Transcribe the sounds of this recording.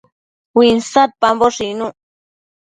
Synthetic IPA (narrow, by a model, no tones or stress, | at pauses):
winsat̪̚pamboʂinu